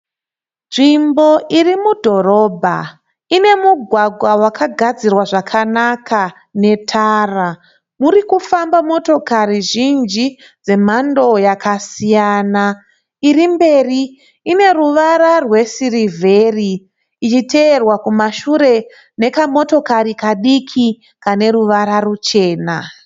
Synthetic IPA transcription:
nʐimbo̞ʔirimudʱo̞ɾo̞ːbʱa̰ | ine̞muɡʱwaɡʱwawakʰaɡʱad͡zirwaʐakʰanakʰa | ne̞tʰaːra | muɾikufambamo̞to̞kaɾiʒind͡ʒi | d͡ze̞m̤ando̞jakʰasijaːna | irimbe̞riː | ne̞ruʋaɾarwe̞sirivʱe̞riː | t͡ʃite̞ːrwakumaʃuɾe̞ | ne̞kamo̞to̞kaɾikaɗikʰi | kane̞ruʋaɾarut͡ʃe̞ːna

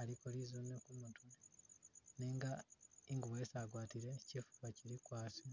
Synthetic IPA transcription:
aɾikoɾizunekumutun | neːŋɡaiŋɡuβojesaɡwaːtiɾe̞cifu̥aciɾikwaːsa

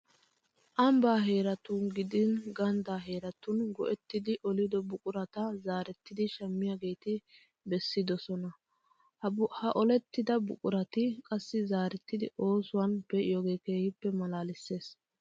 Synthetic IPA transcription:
ʔɐmbaːɦe̞ːɾɐt̪ʊnɡɪd̪ɪnɡɐnd̪aːɦe̞ːɾɐt̪ʊnɡɔʔɛt̪ːɪd̪ɪʔɔlɪd̪ɔbʊkʼʊɾɐt̪ɐzaːɾɛt̪ːɪd̪ɪʃɐmːɪjaːɡe̞jt̪ɪ | bɛsːɪd̪ɔsɔnɐ | hɐʔɔlɛt̪ːɪd̪ɐbʊkʼʊɾɐt̪ɪkʼɐsːɪzaːɾɛt̪ːɪd̪ɪʔo̞ːsʊwɐnb̥ɛʔɪjɔɡeːke̞ːhɪpːɛmɐlaːlɪsːe̞ːs

